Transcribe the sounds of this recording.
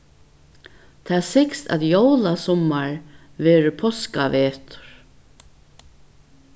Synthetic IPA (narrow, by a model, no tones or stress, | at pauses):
t̪ʰaðsɪkst̪a̰ðjowlasɔmːaɹ | vɛːɾɪpʰɔskavɛːt̪ʊ̥ɾ̥